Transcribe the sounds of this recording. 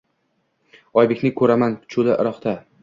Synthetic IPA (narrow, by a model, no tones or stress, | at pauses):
ɒjbekʲnɪŋkʰɵɾamanʰʊ̥t͡ʃʰʊlɪʔɪ̰ɾɒχt̪a